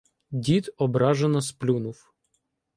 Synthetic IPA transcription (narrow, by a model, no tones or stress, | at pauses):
dʲit̪ɔbɾɑʒenɔsplʲunuw